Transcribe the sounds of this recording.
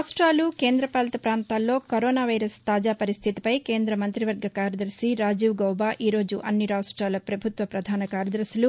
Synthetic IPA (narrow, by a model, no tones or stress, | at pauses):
sʈɾaːluke̞ːnd̪ɾɐpaːlɐt̪ɐpɾaːnt̪aːlːo̞ːkɐɾoːnaːʋɐjɾɐst̪aːd͡ʒaːpɐɾist̪ʰit̪i̥pɐjke̞ːnd̪ɾɐmɐnt̪ɾiʋɐɾɡʱɐkaːɾɐd̪ɐɾsiɾaːd͡ʒiːʋɡɐwbaːʔʔiːɾo̞ːd͡ʒuʔɐnːiɾaːʂʈɾaːlɐpɾɐbʱut̪ʋɐpɾɐd̪ʱaːnɐkaːɾɐd̪ɐɾsulu